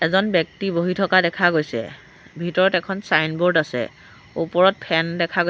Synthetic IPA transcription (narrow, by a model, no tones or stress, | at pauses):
ɛzɔnbjɛk̚tiboɦitʰɔkadɛkʰaɡojsɛ̰ | bʱitɔɹɔtɛkʰɔnsajnboɹdasɛ̰ | upɔɹɔt̚pʰɛndɛkʰaɡo